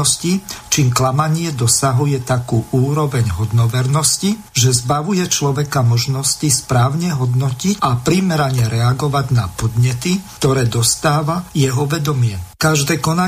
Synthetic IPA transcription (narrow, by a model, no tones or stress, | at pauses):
ɔscit͡ʃiːmklamaɲɪɛd̪ɔsaɦujɛt̪akuːʔuːɾɔʋɛɲɦɔd̪nɔʋɛɾnɔsci | ʒɛzbaʋujɛt͡ʃlɔʋɛkamɔʒnɔscispɾaːʊɲɛɦɔd̪nɔcicʔapɾimɛɾaɲɛɾɛaɡɔʋaɟnapɔd̪ɲɛt̪ikt̪ɔɾɛːd̪ɔst̪aːʋajɛɦɔʋɛd̪ɔmɪɛkaʒd̪ɛːkɔna